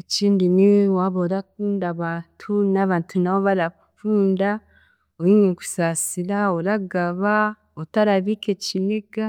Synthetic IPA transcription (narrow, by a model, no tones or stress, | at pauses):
eciːndiniwaβoɾakuːndaβaːntʰunaβaːntʰunaβoβaɾa | fuːnda | owiɲeku̥sasiɾaoɾaɡaβa | otaɾaβikecileɡa